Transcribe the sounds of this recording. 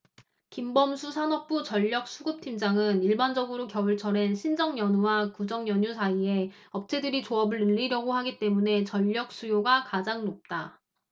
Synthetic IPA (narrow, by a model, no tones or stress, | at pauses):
kimbʌmsʰusʰanʌp̚p͈ut͡ɕʌʎːʌk̚s͈ʰuɡɯp̚tʰimd͡ʑaŋɯniɭband͡ʑʌɡɯɾokjʌbɯɭt͡ɕʰʌɾe̞nɕʰind͡ʑʌŋjʌnuwakud͡ʑʌŋjʌɲusʰaie̞ | ʌp̚t͡ɕʰe̞dɯɾit͡ɕoʌbɯɭɯʎːiɾjʌɡohaɡit͈e̞mune̞t͡ɕʌʎːʌk̚s͈ujoɡakad͡ʑaŋnop̚t͈a